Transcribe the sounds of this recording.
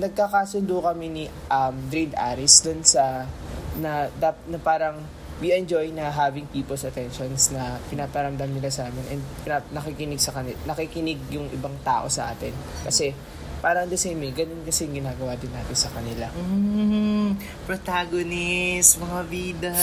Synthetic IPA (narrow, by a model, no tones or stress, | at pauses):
nɐɡ̚kakasʊnd̪ukɐmɛnɪ | ʔɐmd̪ɾind̪ʔaɾɪsd̪onsɐ | nɐd̪apt̪̚nɐpaːɾɐŋ | wiʔɛnd͡ʒo̞jnɐɦaːvɪŋpiːpolsɐt̪ɛnʃonsnɐpɪnaːpɐɾɐmd̪amnɪlasɐʔaːmɪnʔɛnd̪̚pɪnanɐkikɪnɪɡ̚sɐkɐnɪnɐkikɪnɪɡ̚jʊŋʔɪ̰baŋt̪a̰ːʔo̞̰sɐ̰ʔa̰ːt̪ɪnkɐsɛ | paːɾɐɐŋd̪ɛsɛmɪɡɐnonkɐsɛŋɡɪnaːɡɐwad̪ɪnːaːt̪ɪnsɐkɐnɪlam̩ | pɾot̪aːɡonɪsmɐŋɐviːd̪ɐ